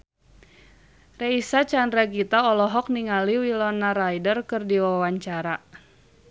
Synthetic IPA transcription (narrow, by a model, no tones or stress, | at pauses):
reisat͡ʃandɾaɡit̪aɔlɔɦɔk̚niŋaliwilɔnaɾajdərkɨrdiwawaɲt͡ʃaɾa